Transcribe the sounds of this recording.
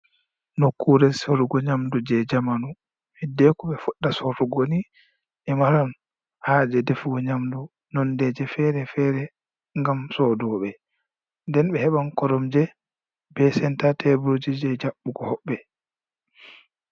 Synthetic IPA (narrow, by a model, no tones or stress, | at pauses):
nokːuɾɛsoɾuɡɔɲamdud͡ʒɛd͡ʒamanu | mɛdɛkɔɓɛfuɗːasoɾuɡoni | ʔɛmaɾan | had͡ʒɛdefuɡɔɲamdu | nɔndɛd͡ʒɛfɛɾɛfɛɾɛ | ŋɡamsɔdɔɓɛ | ndɛnɓɛhɛɓankɔɾɔmd͡ʒɛ | bɛsɛntatɛbɾod͡ʒid͡ʒɛd͡ʒaɓːukɔhɔɓːɛ